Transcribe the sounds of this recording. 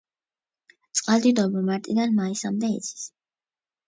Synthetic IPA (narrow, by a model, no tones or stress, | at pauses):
t̪sʼqʼald̪id̪ɔbɔmaɾt̪ʼid̪anmaisamd̪ɛḭt̪sʰi̥s